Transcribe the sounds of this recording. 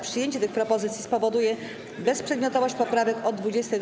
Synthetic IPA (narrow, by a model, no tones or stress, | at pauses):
pʂɘjeɲt͡ɕɛt̪ɘxpɾɔpɔzɘt̪sʲjispɔvɔd̪ujɛ | bɛspʂɛd̪mʲɔt̪ɔvɔɕt͡ɕpɔpɾavɛkɔd̪ːvud͡ʑɛst̪ɛ